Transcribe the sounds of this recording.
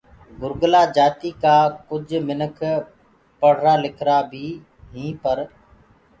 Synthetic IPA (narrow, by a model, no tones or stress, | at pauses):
ɡʊɾɡlaːd͡ʒaːt̪iːkaːkʊd͡ʒʱmɪnəkʰ | pəɽ̤ɾaːlɪkʰɾaːbʱiː | ɦĩːpəɾ